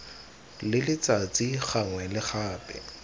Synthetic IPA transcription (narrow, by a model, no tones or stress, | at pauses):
lɪlɪt͡sat͡siχaŋwɛlɪχaːpʼɛ̰